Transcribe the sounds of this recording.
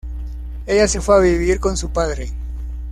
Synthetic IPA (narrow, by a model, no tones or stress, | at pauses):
e̞ʝase̞fweaβiβiɾko̞nsupaðɾe̞